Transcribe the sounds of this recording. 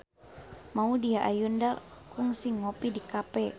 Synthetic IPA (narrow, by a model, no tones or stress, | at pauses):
maudiaʔajundalkuŋsiŋːɔpidikapɛ